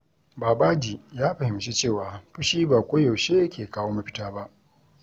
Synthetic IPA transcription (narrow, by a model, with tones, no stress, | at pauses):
baː˨ba˦d͡ʒi˨jaː˦ɸɐ˨hɪ˨mt͡ʃi˦t͡ʃeː˦˨waː˨ɸʊ˦ʃiː˦baː˨kʷoː˦jɔ˨wʃeː˦jkʲʰeː˨kaː˦woː˦ma˦ɸɪ̥˦taː˦ba˦ʔ